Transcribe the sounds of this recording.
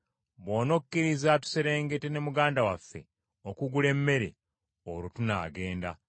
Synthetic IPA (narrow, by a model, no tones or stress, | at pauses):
βwoːno̞kkːiɾizatu̥se̞ɾe̞ːŋɡe̞te̞ne̞muɡaːndawafːe̞̰ | okuɡule̞mːe̞ɾḛ | oɾutuna̰ːɡe̞ːnda̰